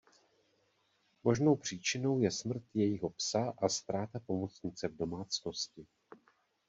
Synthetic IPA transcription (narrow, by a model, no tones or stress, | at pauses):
mo̞ʒno̞wpr̝̥iːt͡ʃɪno̞wjɛsmr̩t̪jɛjɪɦopsaʔast̪ɾaːt̪apo̞mot͡sɲɪt͡sɛvdo̞maːt͡sno̞scɪ